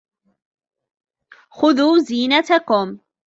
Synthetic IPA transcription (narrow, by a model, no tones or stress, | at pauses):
xʊðuːziːnat̪akʊm